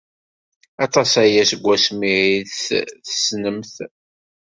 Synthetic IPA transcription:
ɑt̪ˤɑsæjæsəɡʷːæsmiʕiθθə̥snəmθ

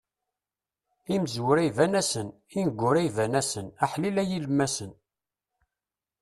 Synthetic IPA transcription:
iməzwʊɾæjvænæsən | inəɡʷːʊɾæjvænæsənaħlilæjilmːæsən

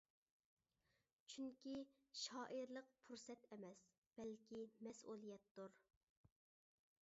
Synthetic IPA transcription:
t͡ʃʰyŋkʲʰi | ʃɑːʔiɾlˠəq̚pʰuɾsɛt̪ɛmɛs | b̥ɛlkʲimɛsʔulˠijɛt̪ːuɾ

